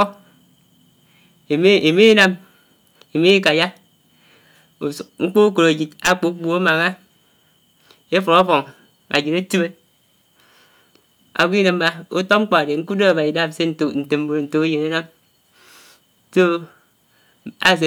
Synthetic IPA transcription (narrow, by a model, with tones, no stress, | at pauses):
e˨me˦na˦m | e˨me˦ka˨ja˦˨ | ŋ͡m̩˦k͡po˦o˦ko˨ɾa˨d͡ʒi˨ta˦k͡po˨˦bu˦˨o˦ma˨ŋa˦ | e˦fo˨ɾa˦fo˨ŋ | a̰˨d͡ʒi˨ɾe˦ti˦be˦ | a̰˨ɡʷi˦ne˨m˦ma˦o˦to˦ŋ͡m̩˦k͡po˨a˨de˨ŋ̩˦ku˦do˦a˨ba˨i˨da˦˨m˨se˦n˨n̩˨te˨m˦bo˨ɾn̩˨to˨a˦je˨ne˦na˦m | so˦ | a̰˦˨s̬e˨